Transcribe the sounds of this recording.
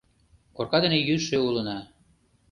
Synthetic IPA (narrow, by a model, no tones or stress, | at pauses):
korkɑd̪enejyʃeulə̆nɑ